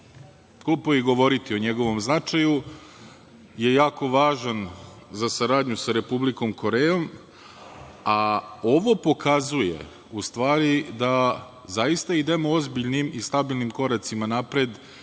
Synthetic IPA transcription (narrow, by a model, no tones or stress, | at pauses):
kupoiɡo̞ʋo̞ɾit̪io̞ɲeɡo̞ʋo̞mznat͡ʂaju | je̞jaːko̞ʋaːʒan | zasaɾaːd̪ɲusaɾe̞publiko̞mko̞ɾejo̞m | ao̞ʋo̞po̞kazujḛ | ust̪ʋaːɾid̪a | zajist̪aid̪emoozbiʎnimist̪abilˠnimko̞ɾat̪simanapɾed̪